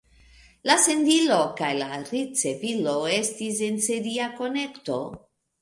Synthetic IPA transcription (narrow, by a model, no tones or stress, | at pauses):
lase̞ndilo̞kajlaɾit͡se̞vilo̞e̞stis̬e̞nse̞ɾiako̞ne̞kto̞̰